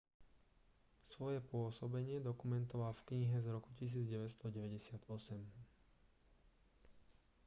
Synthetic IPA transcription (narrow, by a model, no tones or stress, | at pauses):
sʋɔjɛpʊɔsɔbɛɲɪɛd̪ɔkumɛnt̪ɔʋaːfkɲiɦɛzɾɔkucis̬iːd͡zɟɛʋɛt̪st̪ɔɟɛʋɛɟɛsɪat̪ɔsɛm